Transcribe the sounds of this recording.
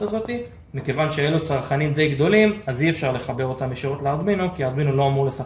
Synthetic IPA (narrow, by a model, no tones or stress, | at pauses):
azo̞t̪i | mike̞vanʃejelut͡saʁχanimd̪e̞jɡd̪o̞limaziefʃaʁle̞χabe̞ʁo̞t̪ambeʃiʁotleaʁd̪minokiaʁd̪minolo̞amuʁlesa